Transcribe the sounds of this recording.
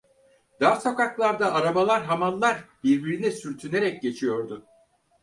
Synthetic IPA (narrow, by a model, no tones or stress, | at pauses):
d̪aːso̞kaklˠaɾd̪aːɾamalˠaɾɦamanlˠaɾbiɾbiɾinisyɾt̪ʰyne̞ɾɛc̚ɟe̞t͡ʃʰijo̞ɾd̪ʊ